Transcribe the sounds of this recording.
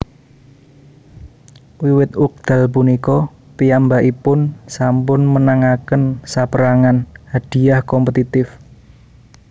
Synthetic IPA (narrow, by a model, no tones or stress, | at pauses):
wiwɪt̪̚ʊk̚d̪̥a̤lp̬unikɔ | pijambaʔipʊnsampʊnmənaŋakənsapəɾaŋanhad̥i̤jahkɔmpət̪it̪ɪf